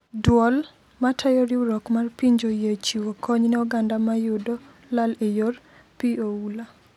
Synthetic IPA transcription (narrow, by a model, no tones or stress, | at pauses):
dwɔl | matʰajoɾiuɾɔkmarpiɲd͡ʒojet͡ʃiwokʰɔɲnɛɔɡandamajʊdo | lalejor | pioula